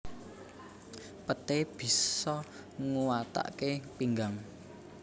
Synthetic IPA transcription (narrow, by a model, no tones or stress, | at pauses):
pət̪eb̥i̤ssɔ | ŋuwat̪a̰ʔkepiŋɡaŋ